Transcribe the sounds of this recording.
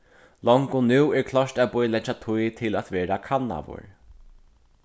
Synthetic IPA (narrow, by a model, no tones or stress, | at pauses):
lɔŋkʊnʉwɛɹkʰlɔʂʈabʊjlɛt͡ʃat̪ʰujt̪ʰɪlat̪ʋɛːɾakʰanːa̰ʋʊ̰ɹ